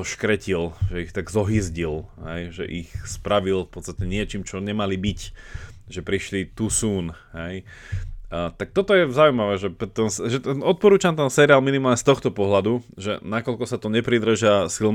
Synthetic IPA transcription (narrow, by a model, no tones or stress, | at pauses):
ɔʃkɾɛcilʒɛixt̪aɡzɔɦizɟilɦɛjʒɛ̰ʔixspɾaʋilfpɔt̪st̪acɛɲɪɛt͡ʃiːmt͡ʃɔɲɛmalibicʒɛpɾiʃlit̪usuːn | ɦɛj | t̪ak̚t̪ɔt̪ɔjɛzaujmaʋɛːʒɛpɛt̪ɛnsʒɛt̪ɛnɔt̪̚pɔɾuːt͡ʃamt̪ɛnsɛɾiaːlminimaːlɲɛst̪ɔxt̪ɔpɔɦlad̪uʒɛ̰nakɔʎkɔsat̪ɔɲɛpɾid̪r̩ʒasilm